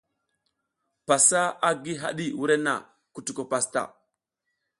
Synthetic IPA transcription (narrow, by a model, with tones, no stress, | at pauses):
pa˨sa˦a˦ɡi˦ɦa̰˦ɗi˦wu˦ɾe˦na̰˨ | ku˨tu˨ko˨pa˨sta̰˨